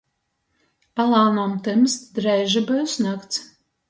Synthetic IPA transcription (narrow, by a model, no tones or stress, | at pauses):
palˠaːnɔmt̪ɨmsd̪ɾɛjʒɨbɨwsnakt̪s